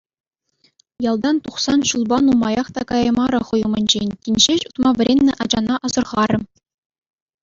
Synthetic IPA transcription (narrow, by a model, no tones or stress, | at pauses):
jɑlˠd̪ɑnt̪uχsɑnɕulˠbɑnumɑjɑχt̪ɑkɑjɤmɑɾɤ̆χɤ̆jɤ̆mɤ̆nʲd͡ʑenʲtʲinʲʑeɕut̪mɑʋʲɘ̆ɾʲenʲːɘ̆ʔɑd͡ʑɑnɑʔɑzɤ̆rʁɑɾɘ̆